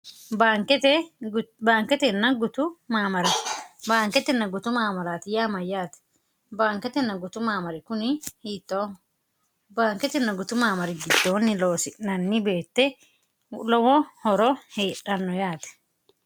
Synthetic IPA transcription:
baːŋkɛt̪ɛbaːŋkɛt̪ɛnːɐɡʊt̪ʊmaːmɐɾɐbaːŋkɛt̪ɛnːɐɡʊt̪ʊmaːmɐɾaːt̪ɪjaːmɐjaːt̪ɛ̥ | baːŋkɛt̪ɛnːɐɡʊt̪ʊmaːmɐɾɪkʊnɪhiːt̪ːoː | baːŋkɛt̪ɛnːɐɡʊt̪ʊmaːmɐɾɪɡɪd̪̥ːo̞ːnːɪlo̞ːsɪnɐnːɪbe̞ːt̪ːɛ | lɔwɔhɔɾɔheːᶑɐnːɔjaːt̪ɛ̥

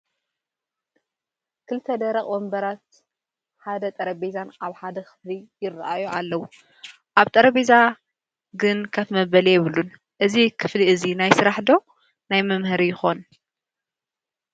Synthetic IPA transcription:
kʰɨlɨt̪ʰːɐd̪ɐɾɐkʼwombɐɾat̪ | ħad̪ɐt̪ʼɐɾɐbezanʔaβħad̪ɐkʰɨ̥flijɪrːaʔajualːɐwu | ʔaβt̪ʼɐɾɐβeza | ɡɨnkʰɐt̪mɐβɐlɛjɛβɨlun | ʔɨzikʰɨfliɨzinajsɨɾaħd̪o̞ | najmɐmhɨɾijɪxo̞n

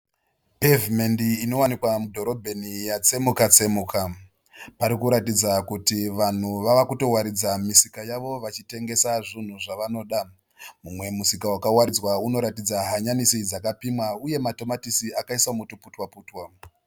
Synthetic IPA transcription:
pevimendiːno̞wanikwamudʱo̞ɾo̞bʱenijat͡se̞mukat͡se̞muka | paɾikuɾatid͡zakutiʋan̤uʋaʋakuto̞waɾid͡zamisikajaʋo̞ʋat͡ʃite̞ŋɡe̞saʐin̤uʐaʋano̞ːɗa | mumwe̞musikawakawaɾid͡zwauno̞ɾatid͡zaɦaɲanisid͡zakapimwauje̞mato̞matisiakaiswamutuputwapuːtwa

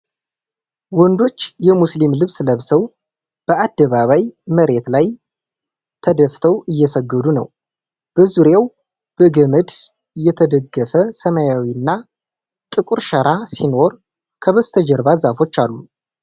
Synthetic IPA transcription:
wɔnd̪o̞t͡ʃːjɛmuslimlɨβsləβsəw | b̥əʔad̪ːəβaβajməɾe̞t̪laj | t̪ʰəd̪əft̪ʰəwɨjːɛsəɡːəd̪unə̰w | b̥əzuɾjaw | b̥əɡəməd̪ | ɨjːɛt̪ʰəd̪əɡːəfəsəmajawinːa | t̪ʼɨkʼuɾʃəɾasino̞ɾ | kʰəβəst̪ʰəd͡ʒəɾβazafo̞t͡ʃːalːu

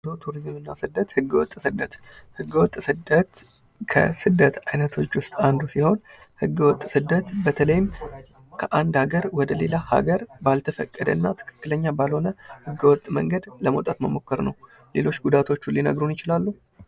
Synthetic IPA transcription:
ot̪ʰuɾizmɨnːasɨd̪ːət̪hɨɡːəwɔ̰t̪ʼsɨd̪ːət̪hɨɡːəwɔt̪ʼsɨd̪ət̪ | kʰə̰sɨd̪ːət̪ajnət̪ʰo̞t͡ʃːwʊst̪ʼand̪usiho̞n | hɨɡːəwɔt̪ʼːsɨd̪ːət̪bət̪ʰələjɪm | kʰəʔand̪haɡəɾwɔd̪əle̞laha̰ɡəɾbalt̪ʰəfə̰kʼːəd̪ə̰nːat̪ʰɨ̥kʰɨ̥kːɨləɲːabalho̞nəhɨɡːəwɔt̪ʼːmə̰ŋɡəd̪ləmət̪ʼat̪məmo̞kːəɾnəw | le̞lo̞t͡ʃːɡud̪at̪ʰo̞t͡ʃːulinə̰ɡɾunjɪt͡ʃɪlalːuh

